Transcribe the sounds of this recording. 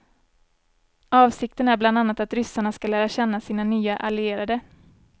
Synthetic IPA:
ɑːvsɪk̚t̪ənæɾbland̪anːat̪at̪ɾʏsaɳaskalæːɾaɕɛnːasiːnanyːaʔalɪeːɾad̪ə

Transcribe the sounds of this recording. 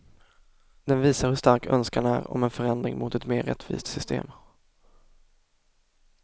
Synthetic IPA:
d̪ɛnviːsaɾhɵʂt̪aɾkʰœnskanæɾɔ̰mɛnfœɾɛnd̪ɾɪ̰ŋmʊt̪ɛt̪meːɾɛ̰t̪ʰːvḭːst̪sʏst̪ḛːm

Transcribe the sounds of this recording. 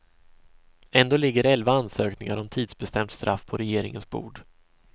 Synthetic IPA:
ɛnd̪oːlɪɡːəɾɛlvaansøːknɪŋaɾɔmt̪ʰiːd̪sbɛst̪ɛmt̪st̪ɾʔa̰fːpʰɔɾɛjeːɾɪŋə̰nsbṵːɖ

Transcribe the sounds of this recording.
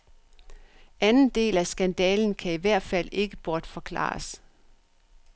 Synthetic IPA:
ænn̩d̥e̝̰ːlæsɡ̥ænd̥ɛ̰ːln̩kʰæiʋæɐ̰d̥fæl̰e̝ɡ̥əb̥ɒːd̥fɒ̽kʰlɑ̰̈ːs

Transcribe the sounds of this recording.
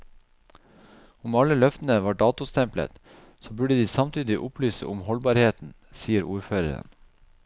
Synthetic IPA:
ʊmɑləlœft̪ən̩əʋɑːɖɑːt̪ʊst̪ʰɛmplə̰t̪ | soːbʉɖəd̪iːsɑmt̪ʰyːd̪ɪʔʊplyːsə̰ʔʊmhɔlbɑːɾheːt̪n̩ | siːəɾuːɾføːɾə̰ɾə̰n

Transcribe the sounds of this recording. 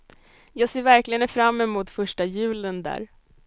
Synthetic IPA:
jɑːɡseːɾvæɾklɪɡənfɾamːɛmuːt̪fœʂʈajʉ̟ːlənd̪æ̰ːɾ

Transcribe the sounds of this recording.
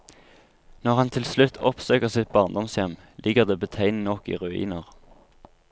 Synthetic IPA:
nɔʁhɑnt̪ʰɪlslʉt̪ʰɔpsøːkəʁsɪt̪̚bɑːʁnd̪ɔmsjɛm | lʔɪɡəʁd̪eːbət̪ʰæɪnnɔkḭːʁʉḭːnəʁ

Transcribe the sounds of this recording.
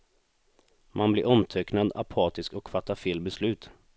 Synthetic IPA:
mʔanblɪɾɔmt̪ʰœknad̪a̰pʰɑːt̪ɪskɔkfat̪ːaɾfeːlbɛslʉ̟ːt̪

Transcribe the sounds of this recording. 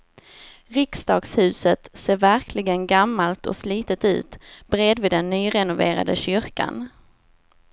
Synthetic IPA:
ɾɪksd̪ɑːɡshʉ̟ːsət̪seːɾvæɾkʰlɪɡənɡamːalt̪ʰɔ̰sliːt̪ət̪ʉ̟̰ːt̪bɾeːd̪vɪd̪ɛnːyːɾɛnʊveːɾa̰d̪əɕʏɾka̰n

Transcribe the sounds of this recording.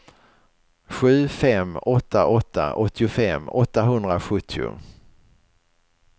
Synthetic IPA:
ɧʉ̟ːfɛmːɔt̪ʰːaʔɔt̪ʰːa̰ʔɔt̪ʰːɪʊfɛmːɔt̪ːaɦɵnd̪ɾaɧɵt̪ʰːɪʊ̰

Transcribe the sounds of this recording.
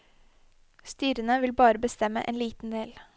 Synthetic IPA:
st̪yːɾənəʋɪlbɑːɾəbəst̪ɛmə̰ʔḛːnliːt̪n̩d̪eːl

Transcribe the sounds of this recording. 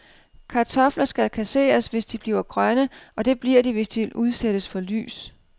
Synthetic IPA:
kʰɑ̈t͡sʰɒ̽flɐsɡ̥ælkʰæse̝̰ːɐsʋe̝sd̥ib̥liːʊɐɡ̥ʁɶnəʔɒ̽d̥e̝b̥liɐdiʋe̝sd̥iʋe̝lʔuð̞ˠseɾ̥əsfɒ̽ly̰ːs

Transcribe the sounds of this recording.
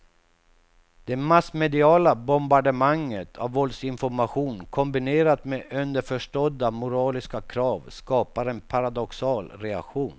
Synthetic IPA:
d̪̥ɛmasmɛd̪ɪɑːlabɔmbaɖəmaŋːət̪ʰa̰vːɔld̪sɪnfɔɾmaɧuːnkʰɔmbɪneːɾat̪meʔœnd̪əɾfœʂʈɔd̪amʊɾɑːlɪskakʰɾɑːvskɑːpaɾɛnpʰaɾad̪ɔksɑːlɾɛa̰kɧuːn

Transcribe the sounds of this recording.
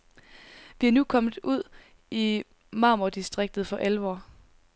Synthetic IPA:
ʋiænukʰɒ̽mð̩ˠuð̰ˠ | i | mɑ̈ːmod̥isd̥ʁeɡ̥̚d̥ð̞̩ˠfɒ̽ʔælʋɒ̰ː

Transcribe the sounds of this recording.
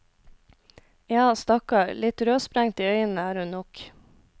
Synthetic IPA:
jɑːst̪ɑkɑɾlɪt̪ɾøːspɾæŋt̪iːœʏən̩əæːɾhʉnnɔk

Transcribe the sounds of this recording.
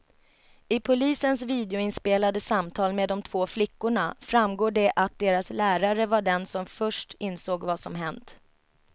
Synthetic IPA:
ɪpʰʊliːsənsviːd̪ɛʊɪnspeːlad̪əsamt̪ʰɑːlmeːd̪ːɔmt̪ʰv̥oːflɪkːʊɳafɾamɡoːɖɛʔat̪̚d̪eːɾaslæːɾaɾəvaɖɛnsɔmfœʂʈɪnsoːɡvasɔmɦɛnt̪

